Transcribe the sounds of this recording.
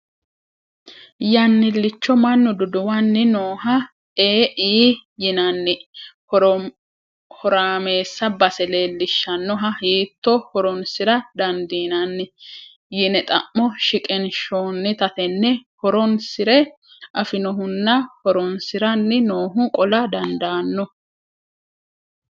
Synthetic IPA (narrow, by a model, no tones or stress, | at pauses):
jɐnːɪlːɪt͡ʃːɔmɐnːɔd̪ʊd̪ʊwɐnːɪnoːɦɐ | eːʔiːjɪnɐnːɪ | hɔɾaːme̞ːsːɐbɐsɛleːlːɪʃːɐnːɔɦɐhiːt̪ːɔhɔɾɔnsɪɾɐd̪ɐnd̪iːnɐnːɪ | jɪnɛt̪ʼɐ̰ʔːɔʃɪkʼɛnʃoːnːɪt̪ɐt̪ɛnːɛhɔɾɔnsɪɾɛ | ʔɐfɪnɔɦʊnːɐhɔɾɔnsɪɾɐnːɪnoːɦʊkʼɔlɐd̪ɐnd̪aːnːɔ